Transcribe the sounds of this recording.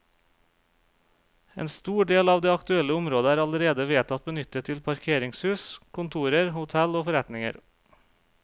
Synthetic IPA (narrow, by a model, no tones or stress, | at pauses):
ḛːnst̪uːɖeːlɑːʋd̪eːɑkt̪ʉɛləʊmɾoːd̪əæːɾɑləɾeːd̪əʋeːt̪ʰɑt̪̚bənʏt̪ət̪ʰɪlpʰɑɾkʰeːɾɪŋshʉːskʰʊnt̪ʰuːɾəɾhʊt̪ʰɛloːfɔɾɛt̪nɪŋə̰ɾ